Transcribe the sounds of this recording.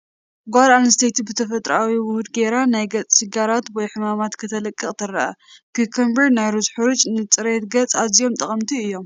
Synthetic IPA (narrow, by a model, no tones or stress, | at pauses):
ɡʷaɾanst̪ʰet̪bɨt̪ʰɐfɐt̪ʼɾawiwʊhud̪ɡeɾanajɡɐt͡sʼsɨɡaɾat̪wɔjħɨmamat̪kʰɨt̪ʰɐlɐkʼːɨχʼt̪ʰɐrɐakɨkʰɐmbɐɾnajɾuzħɨɾut͡ʃʼnɨt͡sʼɨɾet̪ɡɐt͡sʼazijo̞mt̪ʼɐχʼɐmt̪ʰiɨjːo̞m